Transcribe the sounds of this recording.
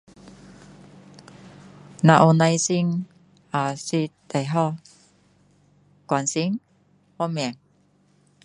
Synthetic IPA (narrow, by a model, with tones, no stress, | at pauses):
na˧˨ʔo˧na˧jsi˧ŋ | a˨si˧t̪e˨˩jɦɔ˧ | kwa˨nsi˥ŋ | hɔ˧mɛ˨ŋ